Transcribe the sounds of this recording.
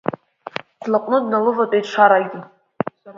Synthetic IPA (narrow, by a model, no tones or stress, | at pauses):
qʷʰlaqʼnɨdnalɨvatʼajtʂʰaɾajɡʲi